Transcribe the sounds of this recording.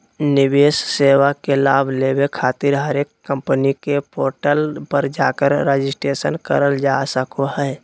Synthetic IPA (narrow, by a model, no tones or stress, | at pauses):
nɪbeːsseːwakelaːbʱleːwekʰaːt̪ɪɾɦəɾeːkːə̃mpənikepoːɾʈəlpəɾd͡ʒaːkəɾɾeːd͡ʒɪsʈeːsənkə̰ɾəld͡ʒasəkoɦɛɪ